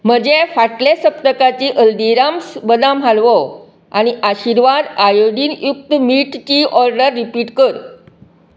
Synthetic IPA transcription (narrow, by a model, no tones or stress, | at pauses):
m̤əd͡ʑefaʈlesəp̚t̪əkat͡ɕiʔəld̪iɾamsbəd̪ãmalʋɔ | a̰ñiʔaɕiɾʋad̪ajoɽiːnjuk̚t̪əmiʈt͡ɕiːʔɔɾɖəɾːipiʈkəɾ